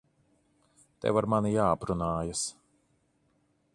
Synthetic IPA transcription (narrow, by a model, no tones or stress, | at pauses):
t̪ɛ̰vaɾmanijaːapɾunaːjas